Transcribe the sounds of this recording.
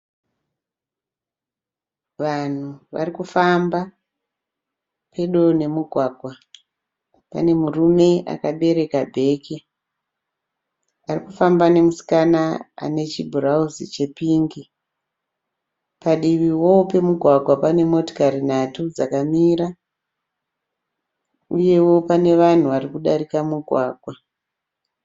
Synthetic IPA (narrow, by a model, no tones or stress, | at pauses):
ʋan̤uʋa̰rikufamba | pʰe̞ɗo̞ne̞muɡʱwaːɡʱwa | pa̰ne̞murume̞a̰kaɓe̞ɾe̞kabʱe̞ːki | arikufambane̞musi̥kanaa̰ne̞t͡ʃibʱurauzit͡ʃe̞piːŋɡi | paɗiʋiwo̞pe̞muɡʱwaɡʱwapane̞mo̞to̥kaɾinatud͡zakamiːɾa | uje̞wo̞pane̞ʋan̤uʋarikuɗaɾikamuɡʱwaːɡʱwa